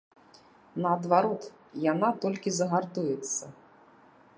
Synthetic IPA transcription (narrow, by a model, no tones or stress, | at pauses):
nɐːd̪vaɾɔt̪ | janat̪ɔlʲkʲizɐɣart̪ujɛt̪sːɐ